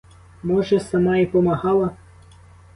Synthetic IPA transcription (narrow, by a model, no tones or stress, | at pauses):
mɔʒɛsɐmɑipɔmɐɦɑlˠɐ